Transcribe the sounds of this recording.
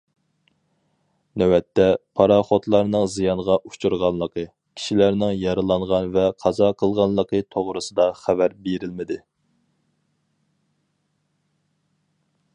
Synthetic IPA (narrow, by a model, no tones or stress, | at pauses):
nɛwɛt̪ʰːɛpʰɑɾɑχot̪lˠɑɾnɨŋzijɑnʁɑʔut͡ʃuɾʁɑnlˠəqʰə | kʲʰi̥ʃilæɾnɪŋjɑɾɨlˠɑɴʁɑnvɛqʰɑzɑqʰəlˠʁɑnlˠəqʰət̪ʰoʁɾɨsɨd̪ɑχævæɾbeɾɪlmɪd̪ɪ